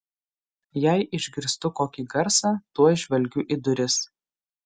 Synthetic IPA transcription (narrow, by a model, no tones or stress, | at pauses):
jæɪʔɪʒʲɡʲɪɾst̪ʊkoːkʲiɡɐɾsɑːt̪uɔʒʲʋʲɛlʲɡʲʊʔid̪ʊɾʲɪs